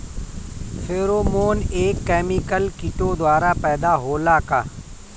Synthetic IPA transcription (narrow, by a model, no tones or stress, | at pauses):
fʰeːɾoːmoːneːkːɛːmikəlkɪʈod̪waːɾapɛːd̪aɦoːlakaː